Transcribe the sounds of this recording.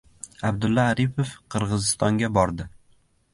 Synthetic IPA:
abd̪ʊlːaːɾipʰofqʰɨɾʁɨzɪst̪ɒŋɡʲabɒɾd̪ɪ

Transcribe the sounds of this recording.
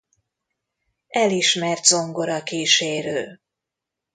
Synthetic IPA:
ɛliʃmɛrt̪zo̞ŋɡo̞ɾɒkiːʃeːɾøːl

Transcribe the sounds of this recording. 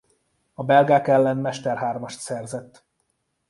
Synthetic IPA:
ɒbɛlɡaːkɛlːɛnmɛʃt̪ɛrɦaːrmɒʃt̪sɛrzɛt̪ː

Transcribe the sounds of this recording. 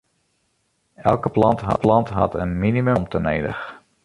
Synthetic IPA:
ɛlˠkəplɑntɦɑ̰plɑntɦɑ̰tənminimømtəneːdə̰x

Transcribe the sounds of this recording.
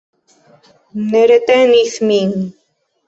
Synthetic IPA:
neɾet̪eniθmiŋ

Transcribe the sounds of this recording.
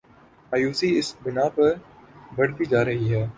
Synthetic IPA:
aːjuːsiɪsbɪnaːpɐɾbɐɽ̤t̪id͡ʒaːɾɐɦiɦɛː

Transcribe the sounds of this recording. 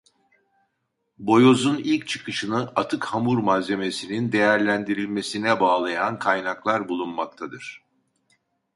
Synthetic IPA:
bo̞jo̞zunilʲc̚t͡ʃʰɯ̥kʰɯʃɯnɯʔat̪ʰɯkhamuɾmaze̞me̞sinind̪e̞jæɾlʲænd̪iɾilʲme̞sinɛbaːlˠajankʰajnaklˠaɾbulˠunmak̚t̪ʰad̪ɯɾ̥

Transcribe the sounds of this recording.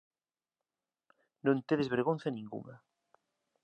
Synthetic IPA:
nõnt̪eðezβeɾɣonθanĩŋɡṵŋa̰

